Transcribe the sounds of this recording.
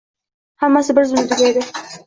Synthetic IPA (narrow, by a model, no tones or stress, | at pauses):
hamːasɪbɪɾzʊnɪd̪ɪɡʲaed̪ɪ